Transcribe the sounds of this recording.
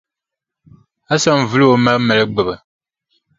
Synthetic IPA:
a˦sa˦m˨vɨ˦lo˦ma˦mɛ˨lɛ˦ɡ͡bɨ˨ba˨

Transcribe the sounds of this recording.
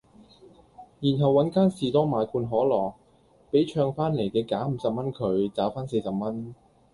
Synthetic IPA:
jiː˨˩nɦɐ˨wːɐ˨˥nkaː˥nsiː˨˩t̪ɔː˥ŋmaː˨˧˥jkʰuː˧nɦɔː˨˥lɔː˨˩ | pe˨˥jt͡ʃʰœː˧ŋfaː˥nle˨˩jkɛː˧kaː˨˥m̩˨˥sɐ˨p̚mɐ˥nkʰɵ˨˧ɥt͡saː˨˥faː˥nse˧jsɐ˨p̚mɐ˥n

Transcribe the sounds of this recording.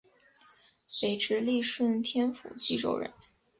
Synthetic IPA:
swe˧˥ɪʈ͡ʂɻ̩˧˥li˥˧ʂwə˥˩nt̪ʰjɛ˥nfṵ˨˩t͡ɕi˥ʈ͡ʂo̰˥˩ʊɻə̰˧˥n

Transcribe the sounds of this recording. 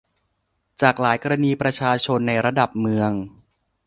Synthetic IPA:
t͡ɕaː˨˩k̚laː˩˦jkɔ˧ɾa˧niː˧pɾa˧t͡ɕʰaː˧t͡ɕʰo˧nːa˧jɾa˧da˨˩p̚mɯ˧əŋ

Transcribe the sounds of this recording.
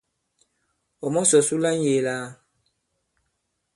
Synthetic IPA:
ɔ˨mɔ˦sɔ˨su˦la˦n˦je˨laː˦

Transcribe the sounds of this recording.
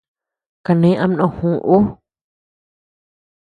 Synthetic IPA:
ka˧˨nẽ˨˦ʔã˦m˦nõ˧˨hũ˨ʔu˦

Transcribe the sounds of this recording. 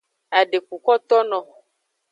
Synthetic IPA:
a˨ɖe˨ku˨kɔ˦t̪ɔ˦nɔ̃˨

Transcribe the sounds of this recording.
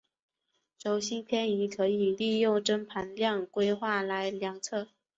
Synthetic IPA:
ʂo˧˥ʊɕi˥npʰjɛ˥ni˧˥kʰɤ˧˥i˨˩li˥˧jo˥˩ʊʈ͡ʂə˥ŋpʰa˧˥nljɑ˥˩ŋkwe˥ɪxwa˥˩la˧˥ɪljɑ˧˥ŋt͡sʰɤ˥˩

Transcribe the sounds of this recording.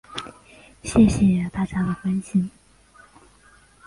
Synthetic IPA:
ɕjɛ˥˩ɕjɛ˨˩t̪a˥˩t͡ɕja˥d̪ə˨kwa˥nɕi˥n

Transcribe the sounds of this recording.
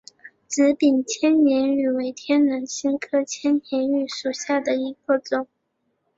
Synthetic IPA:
ʈ͡ʂɻ̩˧˥pi˨˩nt͡ɕʰjɛ˥nnjɛ˧˥ny˨˩we˧˥ɪt̪ʰjɛ˥nnə˧˥ŋɕi˥nkʰɤ˥t͡ɕʰjɛ˥nnjɛ˧˥ny˥˩ʂu˨˩ɕja˥˩d̪ə˩i˧˥kə˥˩t͡sʊ˨˩˦ŋ

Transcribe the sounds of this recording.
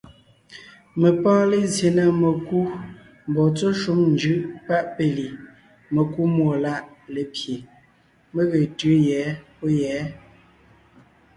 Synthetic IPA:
mə˨pɔ̃ː˦le˨zje˨na˦me˨ku˦ | m˨bɔ˨t͡so˦ʃu˦mnd͡ʒʉ˦ʔpa˦˨ʔpe˨li˨ | me˨ku˦mwo˨la˦ʔle˨pje˨ | mə˦ɣe˨tʉ˨˦jɛ˨˦po˦jɛ˨˦

